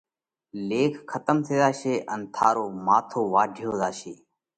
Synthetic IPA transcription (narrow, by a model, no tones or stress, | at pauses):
leːkʰkʰːət̪əmt̪ʰeːd̪aːʃeːʔənt̪ʰaːɾoːmaːt̪ʰoːʋaːɖʱɪjoːd̪aːʃeː